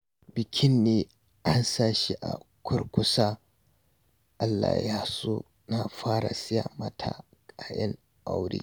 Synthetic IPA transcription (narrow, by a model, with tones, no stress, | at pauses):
bɪ˨kʲʰɪ˦nːeː˦ | ʔa˦nsaː˦ʃi˦ʔa̰˨kʷʰʊ˦rkʷʊ˦sa˦ | ʔa˦lːa̰˨ja˦so˦ | na˨ɸaː˦ɾa˨sɪ˦ja˨mɐ˦tʰa̰˨ | kʼaː˨jɐ˦ŋ | ʔa˦wɽḭː˦˨